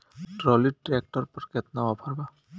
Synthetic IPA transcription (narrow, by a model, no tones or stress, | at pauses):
ʈɹɔliʈɹek̚ʈɔɹpɔɹket̪naɔpʰaɹba